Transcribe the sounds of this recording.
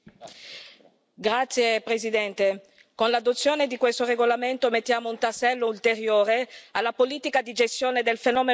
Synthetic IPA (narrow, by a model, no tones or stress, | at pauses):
ɡɾat̪sːjepɾezid̪ɛnt̪e | konlad̪ot̪sːjoːned̪ikwest̪oreɡolament̪omet̪ːjaːmount̪asːɛlːoult̪eɾjoːɾealːapoliːt̪ikad̪id͡ʒest̪joːned̪elfenɔːme